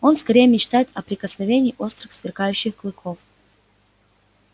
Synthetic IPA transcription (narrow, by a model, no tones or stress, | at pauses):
o̞nskɐɾʲejəmʲɪt͡ɕt̪ajɪt̪ɐpɾʲɪkəsnɐvʲenʲiːʔo̞st̪ɾɨxsvʲɪrkajʉɕːɪxklˠɨko̞f